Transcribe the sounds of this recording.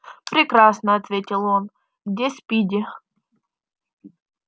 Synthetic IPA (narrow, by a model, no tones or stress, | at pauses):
pɾʲɪkɾasnəɐt̪vʲetʲɪlˠon | ɡdʲespʲidʲɪ